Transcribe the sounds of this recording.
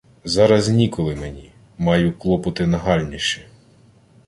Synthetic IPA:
zɑɾɐznʲikɔlˠɪmenʲi | mɑjʊklˠɔpɔt̪ɪnɐɦɑlʲnʲiʃɪ

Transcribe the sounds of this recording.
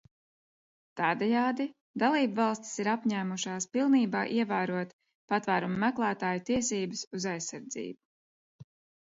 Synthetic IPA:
t̪ɑːd̪ɛjaːd̪i | d̪alˠiːbvɑlˠst̪i̥siɾapɲæːmuʃaːspilˠniːbɑːʔiɛvæːɾuɔt̪ | pat̪væːɾumamæklˠaːt̪aːjut̪iɛsiːbɨsuzajsːaɾd̪zḭːbu̥

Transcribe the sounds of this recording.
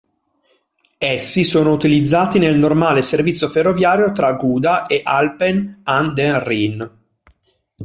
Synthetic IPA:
esːisoːnout̪ilid̪zːaːt̪inelnormaːleservit̪sːjoferːovjaːɾjot̪ɾaɡuːd̪aʔeʔalpenand̪erin

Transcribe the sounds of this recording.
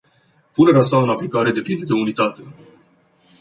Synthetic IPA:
pune̞ɾeas̬aɨnaplikaɾe̞d̪e̞pind̪e̞d̪e̞unit̪at̪e̞

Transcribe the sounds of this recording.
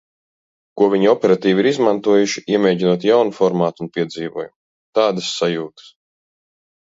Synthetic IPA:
kuɔviɲiɔpʲɛɾat̪iːviɾizmant̪uɔjuʃi̥iɛmʲɛːɟinuɔt̪jawnufɔɾmaːt̪unpʲiɛd̪ziːvuɔjum | t̪aːd̪ɐsːajuːt̪ɨ̥s

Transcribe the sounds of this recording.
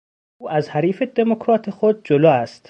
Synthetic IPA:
uːʔæzhæɾiːfed̪e̞mokʰɾɒːt̪ʰexod̪̚d͡ʒolɒːæst̪

